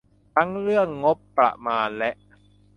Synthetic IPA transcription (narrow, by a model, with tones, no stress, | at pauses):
t̪ʰa˦˥ŋɾɯ˥˩əŋːo˦˥pːɾa̰˨˩ʔmaː˧nlɛ˦˥ʔ